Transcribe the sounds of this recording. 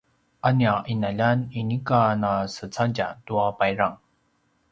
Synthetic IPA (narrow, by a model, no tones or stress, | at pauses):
ʔaniaʔinaʎaninikanasət͡saɟa̰duapajɾaŋ